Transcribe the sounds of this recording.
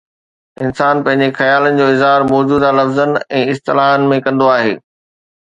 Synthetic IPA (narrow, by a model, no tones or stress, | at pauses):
ɪnsaːnpɐ̃ɦɪ̃ɲ̆d͡ʑexɐjaːlənɪ̆d͡ʑoːɪzɦaːɾmɔːd͡ʑuːd̪alɐfzənɛ̃ːɪst̪ɪlaːɦənɪ̆mẽkɐ̃nd̪oaːɦḛː